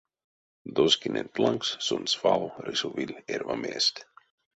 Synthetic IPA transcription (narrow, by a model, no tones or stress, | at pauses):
d̪oskinʲḛnplˠaŋkssunsfalɾisuvilʲeɾvamest̪ʲ